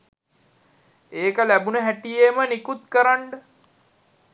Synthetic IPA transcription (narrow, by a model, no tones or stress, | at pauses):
eːkəlæbunəɦæʈijemənikut̪kəɾaɳɖə